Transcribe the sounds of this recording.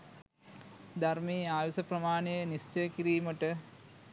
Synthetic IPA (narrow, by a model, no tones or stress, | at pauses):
d̪armeːaːʋisɐprɐmaːnejənist͡ʃəjəkiɾiːməʈə